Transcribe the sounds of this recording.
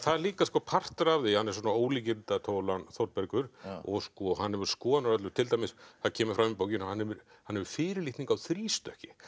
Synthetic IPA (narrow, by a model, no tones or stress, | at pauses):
θaðɛɾliːkaskɔpʰar̥t̪ɾavðɪhanːɛɾs̬wɔːnaoːwliːc̬ɪt̪at̪ʰoːwlanθɔɾt̪̚pɛɾkʏɾɔ̰ɣskɔhanhɛvʏɾ̥skɔːðnʏɾœt̪lʏɾt̪ʰɪlt̪ajmɪsθaðcʰɛːmʏɾ̥fɾamip̬oːwcɪnɔhanhɛvʏɾ | hanhɛvʏɾ̥fɪːɾɪliht̪niŋkawθɾiːst̪œhcɪ̥